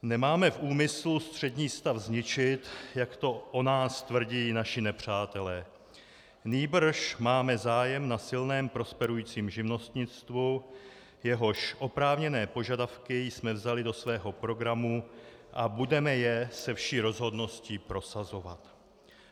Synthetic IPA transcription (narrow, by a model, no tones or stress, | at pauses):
nɛmaːmɛfʔuːmɪslust̪r̝̥ɛdɲiːst̪afzɲɪt͡ʃɪt̪jakt̪o̞ʔonaːst̪vr̩ɟiːnaʃɪnɛpr̝̥aːt̪ɛlɛː | niːbr̩ʃmaːmɛzaːjɛmnasɪlnɛːmpɾo̞spɛɾujiːt͡siːmʒɪvno̞st̪ɲɪt͡st̪vu | jɛɦo̞ʃʔo̞pɾaːvɲɛnɛːpo̞ʒadafkɪjsmɛvzalɪdo̞svɛːɦo̞pɾo̞ɡɾamuʔabudɛmɛjɛsɛfʃiːɾo̞zɦo̞dno̞sciːpɾo̞sazo̞va̰t̪